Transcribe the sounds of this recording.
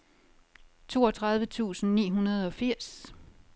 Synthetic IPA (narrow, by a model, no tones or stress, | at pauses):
t͡sʰo̝̰ːɒ̽t͡sʰʁɑ̈ð̞ˠʋət͡sʰṵːsn̩nḭːɦunɐð̞ˠɒ̽fiɐ̰s